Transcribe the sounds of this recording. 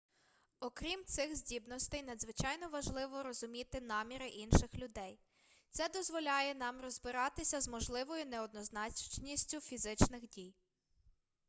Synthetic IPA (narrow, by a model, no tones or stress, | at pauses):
ɔkɾʲimt̪sɪxzʲdʲibnɔst̪ɛjnɐd̪zʋɪt͡ʃɑjnɔʋɐʒlˠɪʋɔɾɔzʊmʲit̪ɪnɑmʲiɾɪʔinʃɪxlʲʊd̪ɛj | t̪sɛd̪ɔzʋɔlʲɑjɛnɑmrɔzbɪɾɑt̪ɪsʲɐzmɔʒlˠɪʋɔjʊnɛɔd̪nɔznɑt͡ʃt͡ʃnʲisʲtʲʊfʲizɪt͡ʃnɪxdʲij